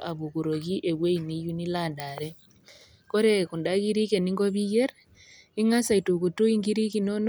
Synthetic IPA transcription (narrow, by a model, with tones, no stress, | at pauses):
ʔa˨βu˨ɣu˨ɾo˨ɣi˦ʔe˨βwe˦ini˦ju˦ni˦landa˨ɾɛ | ko˦ɾe˦ku˨nda˦ɣi˦ɾi˦ke˨ni˦ŋɡɔ˦βi˦jeɾ | i˦ŋa˦sa˨i˨tu˨ɣu˨to˦i˦ŋɡi˦ɾi˦ki˦nɔ˦n